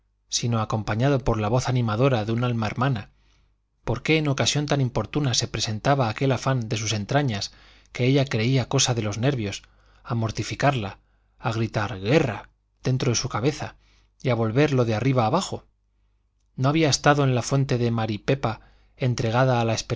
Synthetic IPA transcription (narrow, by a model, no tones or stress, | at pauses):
sino̞ako̞mpaɲað̞o̞po̞ɾlaβ̞o̞θanĩmaðo̞ɾaðeunalmaeɾmana | po̞ɾke̞ːno̞kasjo̞nt̪anĩmpo̞ɾt̪unase̞pɾe̞se̞nt̪aβaːke̞lafand̪e̞suse̞nt̪ɾaɲas | ke̞eʎakɾe̞iako̞saðe̞lo̞zne̞ɾβjo̞s | amo̞ɾt̪ifikaɾlaː | ɣɾit̪aɾɣe̞ra | ðe̞nt̪ɾo̞ðe̞sukaβe̞θa | iaβo̞lβe̞ɾlo̞ðeariβ̞aːβaxo̞ | no̞aβiaest̪aðo̞e̞nlafwe̞nt̪e̞ðe̞maɾipe̞pa | e̞nt̪ɾe̞ɣaðaːlae̞spe